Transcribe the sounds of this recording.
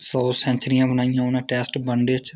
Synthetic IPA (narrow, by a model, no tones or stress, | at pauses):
sɔːsɛ̃ːɲt͡ʃɾijãːbənaːijãːʊnẽːʈɛːsʈbəɳɖeːt͡ʃ